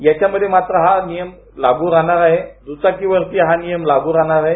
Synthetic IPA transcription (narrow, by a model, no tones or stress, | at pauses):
jat͡ɕaməd̪ʱːjemat̪ɾəɦanijəm | laɡuːɾaɽaɾaɦed̪ut͡sakiʋəɾt̪iɦanijəmlaɡuːɾaɽaɾaɦe